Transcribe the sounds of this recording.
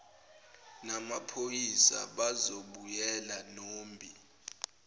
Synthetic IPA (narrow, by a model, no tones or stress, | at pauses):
namapʰojisa̰ɓazoɓujɛlanoːmbʱi